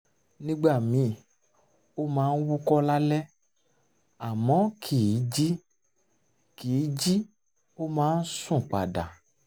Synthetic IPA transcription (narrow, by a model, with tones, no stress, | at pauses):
nĩ˦ɡ͡ba˦˨mĩ˨˦˨ | o˦mãː˨˦n̩˦wu˦kɔ˦la˦lɛ˦ | a˨mɔ̃˨˦kʰi˨i˨˦d͡ʒi˦ | ki˨i˨˦d͡ʒi˦ | o˦mãː˦n̩˦sũ˦˨k͡pa˨da˨